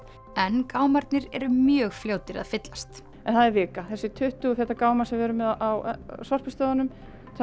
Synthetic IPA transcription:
ɛnkaːwmaɾt̪nɪɾɛ̰ɾʏmjœːɣfljoːwt̪ɪɾa̰ðfɪt̪last̪ | ɛnθaðɛɾvɪːkaθɛsːɪt̪ʰʏht̪ʏʏθɛht̪ːakaːwmasɛmvɛːɾʏmɛðawsɔr̥pɪst̪ɔːðanʏm | θ

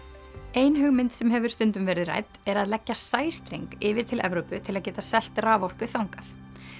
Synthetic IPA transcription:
eːjnɦʏɣmɪnt̪sɛmɦɛvʏɾ̥st̪ʏnt̪ʏmvɛːɾɪðra̰ːjt̪ɛɾaðlɛcːasaːjst̪ɾeŋkɪːvɪð̥t̪ʰɪlʔɛ̰vɾowpʏt̪ʰɪlaðcɛːt̪asɛl̥t̪raːvɔr̥kʏθawŋkaθ

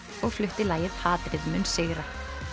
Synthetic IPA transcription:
ɔɣflʏht̪ɪlaːjɪðhaːt̪ɾɪðʏmʏnsɪːɣɾa

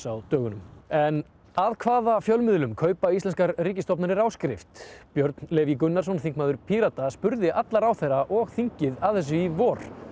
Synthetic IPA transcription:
awt̪œːɣʏnʏmɛn | aðkʰvaːðafjœlmɪðlʏmkʰœːɥpaist̪ɛnskaɾriːcɪst̪ɔpnaɾɪɾawskɾɪ̰ft̪pjœɾt̪nlɛːvikʏnːaɾ̥sɔnθiŋkmaːðʏɾpʰiːɾat̪aspʏɾðɪʔat̪laɾawθɛraʔɔɣθiɲcɪðaðθɛs̬ːʏivɔːɾ̥

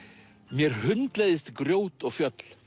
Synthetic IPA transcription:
mjɛɾ̥hʏnt̪lejðɪst̪kɾjoːwt̪ɔɣfjœt̪l̥

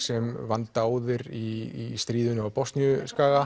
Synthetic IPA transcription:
sɛmvant̪aːwðɪɾiːst̪ɾiːðʏnʏapɔst̪njʏskaːɣa

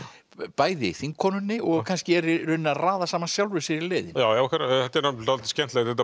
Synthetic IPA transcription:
paːjðɪθiŋkʰːɔnʏnːɪʔɔɣkʰanscɪɛɾʏnːaðraːðasaːmasjawlvɛsɪɾileːðɪnjaːwjawakʰvɛɾaɛt̪ːaɾnḁt̪alt̪ɪ̥scɛnt̪lɛɣθɛt̪a

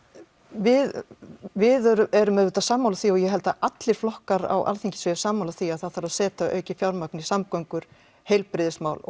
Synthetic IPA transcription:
vɪðvɪðœɾʏɛɾʏmɛðvʏt̪asaːmːawlaθiɔɣjɛɦɛlt̪aʔat̪lɪɾ̥flɔhkaɾa̰wʔa̰lθiɲcɪ̥svɛʏsaːmːawlaθiaðθaðθaɾaðsɛːt̪aœ̰ːɥcɪfjawɾmaknisamkɔwŋkʏɾ̥ | hejlpɾɪðɪsmaːwl

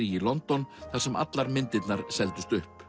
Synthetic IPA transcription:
iilɔnt̪ɔnθaɾ̥sɛma̰t̪laɾmɪnt̪ɪt̪naɾ̥sɛlt̪ʏst̪ʏhp

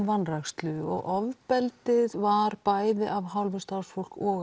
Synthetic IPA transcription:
vanːraxst̪lʏɔ̰ɣʔɔvpɛlt̪ɪðvaɾpaːjðɪʔavɦawlvɪst̪awɾ̥sfowl̥kɔːɣ

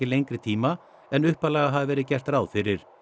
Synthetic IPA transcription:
ɪlejŋkɾɪt̪ʰiːma | ɛnʏhpalaɣaɦavvɛːɾɪðcɛr̥t̪ɾaːwðfɪɾɪɾ̥

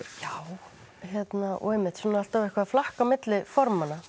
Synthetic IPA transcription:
jaw | çjɛt̪naʔɔ̰ɣɛmːɪht̪sunaalt̪avɪhkvaðflahkamɪt̪lɪfɔɾmanːa

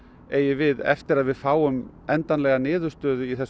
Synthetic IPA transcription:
eːjɪvɪðɛ̰ft̪ɪɾaðvɪðfaːwʏm | ɛnt̪anlɛɣanɪːðʏ̥st̪œːðʏiθɛs

